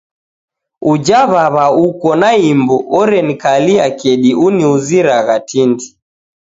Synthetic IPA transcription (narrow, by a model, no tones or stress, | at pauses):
ud͡ʒaβaβaukɔnaimbuɔɾɛnikaliakɛɗiuniuziɾaɣatʰindi̥